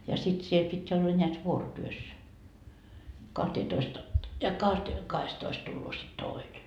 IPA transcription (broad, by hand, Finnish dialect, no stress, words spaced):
jɑ sit siel pitʲ olːɑ nʲeæt ʋuorotyøs kɑhteːtoist ɑ jɑ kɑhte kɑhestoist tulːoː sit toˑine